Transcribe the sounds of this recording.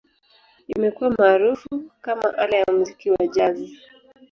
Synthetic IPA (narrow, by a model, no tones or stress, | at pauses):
imɛkuwamaːɾufukama̰ʔalajamuzikiwaʄazi